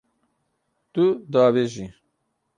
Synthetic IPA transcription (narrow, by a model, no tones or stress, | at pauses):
t̪ud̪aːβeʒi